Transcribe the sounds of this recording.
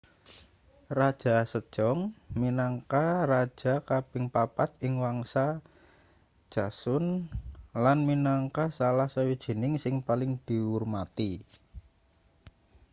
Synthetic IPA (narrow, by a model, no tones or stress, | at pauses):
rad̥ʒ̥a̤səd̥ʒ̥ɔŋminaŋkarad̥ʒ̥a̤kab̥ɪŋpapat̪̚ɪŋwaŋsa | d̥ʒ̥a̤sʊn | lanminaŋkasalahsawid̥ʒ̥ə̤nɪŋsɪŋpalɪŋd̪̥i̤urmat̪i